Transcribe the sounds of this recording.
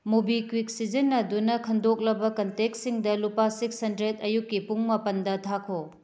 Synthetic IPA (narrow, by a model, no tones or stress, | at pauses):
mubikwik̚sid͡ʒɐnːɐdunɐkʰɐndok̚lɐbɐkɐntek̚siŋdɐlupasikshɐndɾedɐjukːipuŋmɐpɐndɐtʰakʰo